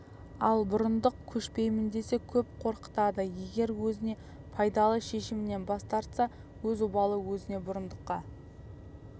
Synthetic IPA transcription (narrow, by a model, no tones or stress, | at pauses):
ɑlˠbʊɾənd̪əq̚kʲʰɵʃpe̞jmɪnd̪e̞se̞kʲʰɵpqʰo̞ɾqə̥t̪ɑd̪əje̞ɡʲe̞ɾwɵzɪne̞ | pʰɑjd̪ɑlˠəʃe̞ʃɪmɪne̞nbɑst̪ɑɾt̪sɑ | wɵzʊbɑlˠəwɵzɪne̞bʊɾənd̪əqːɑ